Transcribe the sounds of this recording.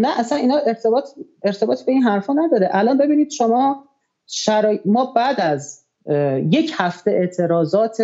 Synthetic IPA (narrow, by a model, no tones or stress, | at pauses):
næʔæsæniːnhɒːʔeɾt̪ʰebɒːt̪ʰe̞ɾt̪ʰe̞bɒːt̪ibe̞iːnɦæɾfɒːnæd̪ɒːɾeʔælɒːnbe̞biːniːd̪̥ʃomɒː | ʃæɾɒːemɒːbæd̪æz | je̞cʰhæft̪e̞ʔe̞ʔt̪ʰe̞ɾɒːzɒːt̪ʰ